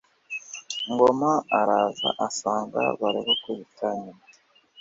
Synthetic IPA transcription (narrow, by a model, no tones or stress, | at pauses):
ŋɡomaaɾaza̰ʔasaːŋɡa̰βaɾiβokuβitʰaɲina